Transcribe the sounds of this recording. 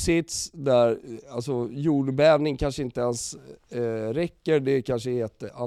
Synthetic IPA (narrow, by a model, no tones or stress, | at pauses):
sɪt̪sd̪æɾalsɔjuːɖbɛɛːvnɪŋkʰanʂəɪnt̪əɛns | ɾɛkːəɾɖ̪ɛkʰanʂəheːt̪əa